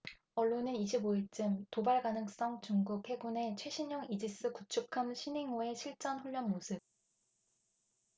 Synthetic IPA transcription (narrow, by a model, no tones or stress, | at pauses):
ʌɭːonɯniɕʰiboit͡ɕ͈ɯmtobaɭɡanɯŋs͈ʌŋt͡ɕuŋɡukhe̞ɡune̞t͡ɕʰwe̞ɕʰiɲʌŋid͡ʑis͈ɯkut͡ɕʰukʰamɕʰiniŋoe̞ɕʰiɭt͡ɕ͈ʌnɸuʎːʌnmosʰɯp̚